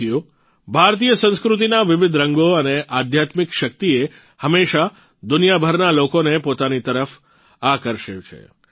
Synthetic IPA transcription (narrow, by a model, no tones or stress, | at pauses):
iju | bʱaɾt̪ijəsə̃ñskɾut̪̬inaʋɪʋɪd̪ʱɾəŋɡoəneʔad̪ʱjat̪mikʃək̚t̪ie | həmeʃa | d̪ʊnijabʱəɾnalokonepot̪anit̪əɾəf | akəɾʃet͡ʃʰḛ